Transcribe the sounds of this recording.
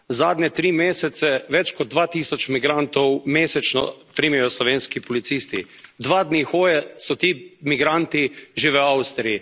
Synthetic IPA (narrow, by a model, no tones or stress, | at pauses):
zaːd̪nʲɛt̪ɾiːmeːsɛt̪sɛʋɛt͡ʃkɔd̪̚ːʋaːt̪iːsɔt͡ʃmiɡɾant̪ɔwmeːsɛt͡ʃnɔ̰pɾiːmjɛjɔslɔʋeːnskipɔlit̪siːst̪ḭ | d̪ʋaːd̪nixoːjɛsɔt̪iːmiɡɾant̪iʒeʋəawst̪ɾii